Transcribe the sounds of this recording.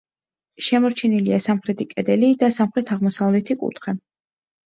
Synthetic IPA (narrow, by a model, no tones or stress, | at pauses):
ʃɛmɔɾt͡ʃʰɛniliasamχɾɛt̪ʰikʼɛd̪ɛlid̪asamχɾɛt̪ʰaʁmɔsavlɛt̪ʰikʼṵt̪ʰχɛ